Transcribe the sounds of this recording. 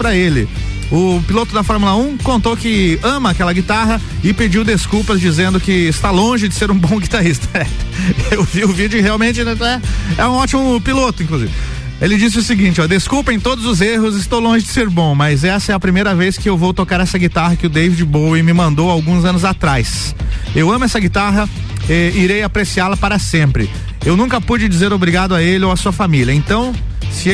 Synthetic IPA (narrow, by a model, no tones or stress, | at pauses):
pɾɐelɪ̰ | ʊpilot̪ʊd̪ɐfɔɾmulɐũkõnt̪owkɪɐ̃mɐakɛlɐɡit̪aɦɐ | ɪped͡ʒiwd̪eskuwpɐzd͡ʒizẽnd̪ʊkɪːst̪alõʒɪd͡ʒɪseɾũbõɡit̪aɾist̪ɐ̥sɛɾt̪ʊ̥ewviʊvid͡ʒʊheawmẽnt͡ʃɪnɛɛɛũɔt͡ʃimʊpilot̪ʊĩŋkluzḭvɪ | elɪd͡ʒis̬ɪʊsɪɡĩt͡ʃɪɔd̪eskupɐẽj̃t̪od̪ʊzʊzeɦʊzɪst̪owlõʒɪd͡ʒɪseɾbõmɐzɛsɐɛɐpɾimejɾɐvejskɪewvowt̪okaɾɛsɐɡit̪aɦɐkɪʊd̪ejvɪd͡ʒɪbowɪmɪmɐ̃nd̪owawɡũzɐ̃nʊzat̪ɾajs | ewɐ̃mʊɛsɐɡit̪aɦɐ | ɛiɾejapɾesialɐpaɾɐsẽpɾɪ | ewnũŋkɐpud͡ʒɪd͡ʒizeɾobɾiɡad̪ʊaelɪoasuɐfamiljɐẽnt̪ɐ̃w̃ | sɪ